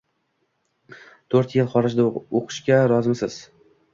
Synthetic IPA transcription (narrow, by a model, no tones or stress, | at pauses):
t̪ʰɵɾt̪jɪlˠχɒɾɪd͡ʒd̪aoqʰɨ̥ʃkʲaɾɒzmsɪz̥